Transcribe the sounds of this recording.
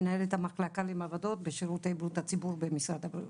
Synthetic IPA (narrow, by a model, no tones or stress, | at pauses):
naelet̪hamaχlakalemavad̪o̞t̪̚beʃiʁutejblut̪at͡sibuʁbemisʁad̪habɾi